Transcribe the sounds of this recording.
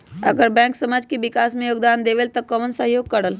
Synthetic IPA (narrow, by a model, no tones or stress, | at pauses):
əɡəɾbɛ̃ːŋksəmaːd͡ʒkeʋɪkaːsmẽjoːɡd̪aːnd̪eʋelt̪əkəʋənsəɦjoːɡ̚kəɽəl